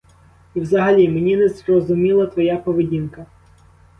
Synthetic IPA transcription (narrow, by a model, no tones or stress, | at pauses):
iwzɐɦɐlʲimenʲinɛzrɔzʊmʲilˠɐt̪ʋɔjapɔʋedʲinkɐ